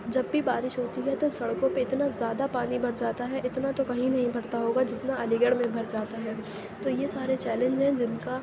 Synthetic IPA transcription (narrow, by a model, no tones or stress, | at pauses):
d͡ʒɐbːibaːɾɪʃɦoːt̪iɦɛt̪osɐɽkõpeɪt̪nazjaːd̪apaːnibʱɐɽd͡ʒaːt̪aɦɛʔɪt̪nat̪okɐɦĩnɐɦĩbʱɐɽt̪aɦoːɡad͡ʒɪt̪naɐlɪɡəɽmẽbʱɐɾd͡ʒaːt̪aɦɛː | t̪ojesaːɾet͡ʃɛːlɛ̃nd͡ʒɛ̃d͡ʒɪnka